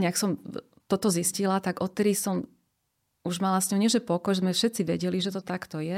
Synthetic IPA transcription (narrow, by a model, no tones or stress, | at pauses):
ɲaksɔm | t̪ɔt̪ɔziscilat̪aɡɔt̪ːɛd̪isɔm | uʒmalasɲɔɦʊɲɪiɛʒɛpɔkɔjɛzmɛfʃɛt̪t͡siʋɛɟɛliʒɛt̪ɔt̪akt̪ɔjɛ